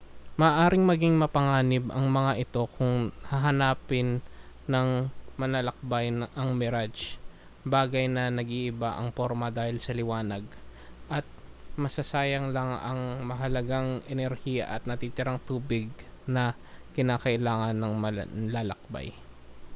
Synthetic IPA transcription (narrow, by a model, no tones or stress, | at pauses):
mɐːʔaːɾɪŋmɐɡiŋmɐpɐŋaːnɪbʔɐ̰ŋmɐŋaʔɪt̪o̞kʰʊŋhɐɦɐnaːpɪnːɐŋmɐlɐlɐk̚bajnʔɐŋmɛɾad͡ʒ | baːɡɐjnɐnɐɡiʔɪbaʔɐ̰ŋpo̞ɾmɐd̪aːhɪlsɐlɪwaːnɐɡʔɐt̪̚mɐsɐsaːjɐŋlɐŋɐŋmɐɦɐlɐɡaŋʔɛnɛɾhijɐ̰ʔɐt̪̚nɐt̪iːt̪ɪɾaŋt̪uːbɪɡ̚nɐ | kɪnaːkɐʔɪlaːŋɐnːɐŋmɐlaːlɐ̰k̚ba̰j